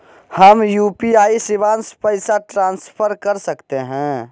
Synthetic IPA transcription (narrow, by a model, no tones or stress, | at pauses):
həmjuːpiaːisɪbaːnspəɪsaʈɾãːnspʰəɾkəɾsəkt̪eɦɛ̃